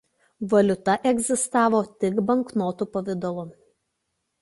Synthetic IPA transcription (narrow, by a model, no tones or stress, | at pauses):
ʋɐlʲʊt̪ɐʔɛɡʲzʲɪst̪ɑːʋoːt̪ʲɪkbɐŋˑknoːt̪uːpɔʋʲɪd̪ɔlˠʊ